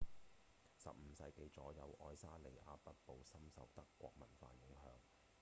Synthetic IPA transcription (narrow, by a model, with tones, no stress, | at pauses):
sɐ̰˨p̚m̩˨˧sɐ̰˧jke˧jt͡sɔː˨˥jɐ˨˧wʔɔː˧jsaː˥le˨˩jʔaː˧pɐ˥t̚po˨wsɐ˥msɐ̰˨wt̪ɐ˥kːʷɔː˧k̚mɐ˨˩nfa̰ː˧jɪ˨˥ŋɦœ̰ː˨˧ŋ